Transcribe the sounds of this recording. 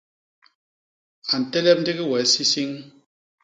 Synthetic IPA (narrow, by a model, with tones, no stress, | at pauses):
a˨n̩˨tɛ˦lɛ˦p̚n̩˦di˦ɣi˦wɛ˨˦si˦si˦ŋ